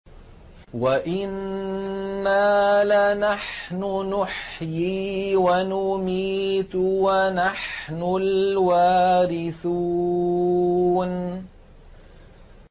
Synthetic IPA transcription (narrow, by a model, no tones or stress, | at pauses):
waʔɪnː | aːlanaħnʊnʊħjiːwanʊmiːt̪wanaħnʊlwaːɾɪθuː | n